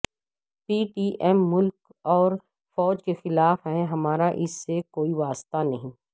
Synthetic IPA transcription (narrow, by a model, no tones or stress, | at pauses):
piːʈiːʔɛːmːʊlk | ɔːɾ | fɔːd͡ʒkexɪlaːfɦɛ̃ɦɐmaːɾaʔɪsːekoːiʋaːst̪anɐɦĩː